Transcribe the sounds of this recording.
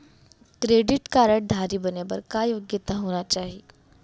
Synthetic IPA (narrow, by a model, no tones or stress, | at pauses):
kɾeːɖɪʈkaːɾəɽd̪ʱaːɾibɐnebɐɾkajoːɡjɪt̪aɦoːnat͡ʃaːɦie